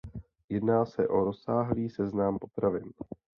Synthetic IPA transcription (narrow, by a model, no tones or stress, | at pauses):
jɛdnaːsɛʔo̞ɾo̞saːɦliːsɛznampo̞t̪ɾavɪn